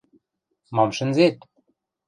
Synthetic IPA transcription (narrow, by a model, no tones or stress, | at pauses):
mɑmʃɘ̆nzet̪